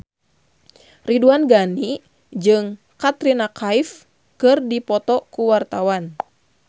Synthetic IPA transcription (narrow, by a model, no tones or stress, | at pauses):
riduanɡani | d͡ʒɨŋ | kat̪ɾinakʰaif | kɨrdipɔt̪ɔkuwart̪awan